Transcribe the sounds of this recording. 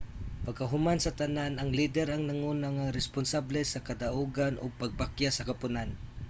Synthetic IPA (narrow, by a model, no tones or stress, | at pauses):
pɐɡ̚kɐɦʊmansɐt̪ananɐŋlid̪ɛɾaŋnaŋuːnaŋaɾɛspʊnsablɛsɐkɐd̪aʔuɡanʔʊ̰ɡ̚paɡ̚pakjasɐkɐpʊnan